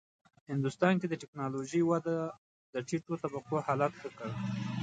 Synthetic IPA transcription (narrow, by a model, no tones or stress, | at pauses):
hɪnd̪ʊst̪ɑnked̪əʈɪknɑloʒəjwad̪a | d̪əʈiʈot̪abaqohɑlat̪xəkaɽ